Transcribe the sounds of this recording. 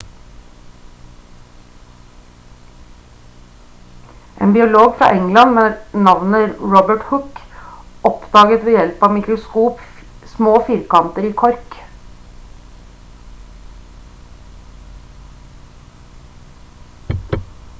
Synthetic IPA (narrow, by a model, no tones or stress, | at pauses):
ʔḛːnbɪʊloːɡfɾɑ̰ːʔɛŋlɑnmeːnɑʋnəɹɔbəʈhʊk | ɔpd̪ɑːɡət̪ʋeːjɛlpɑːʋmɪkɾʊskuːp | smoːfɪɾkɑnt̪əɾiːkʰɔɾk